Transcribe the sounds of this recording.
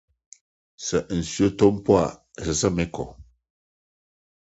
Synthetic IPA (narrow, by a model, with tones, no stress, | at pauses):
sə˨ʔn̩˨sɥo˦to˦m˦pwa˦˨sə˨sə˦˨mɛ˨˦kɔ̰˨